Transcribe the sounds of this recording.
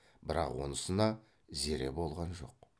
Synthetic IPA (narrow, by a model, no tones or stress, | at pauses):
bɪɾɑ̰qwonəsənɑ | ze̞ɾe̞̰bo̞lˠʁɑnʒo̞̰q